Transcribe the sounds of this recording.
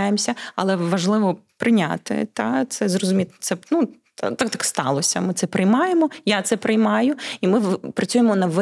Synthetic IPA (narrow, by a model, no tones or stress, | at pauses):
jemsʲɐɐ̰lˠɛʋɐʒlˠɪʋɔpɾɪnʲa̰t̪ɪ̰t̪ɑt̪sɛzrɔzʊmʲit̪t̪sɛnu | t̪akt̪ɑkst̪ɑ̰lˠɔsʲɐ̰mɪt̪sɛpɾɪjmɑjemɔjat̪sɛpɾɪjmɑjʊimɪpɾɐt͡sʲujemɔnɐʋ